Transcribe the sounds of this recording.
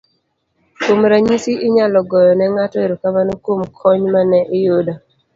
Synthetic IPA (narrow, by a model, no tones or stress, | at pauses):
komɾaɲisiʔɪɲalɔɡɔjɔnɛŋatɔeɾokamanokwomkʰɔɲmanɛʔɪjoda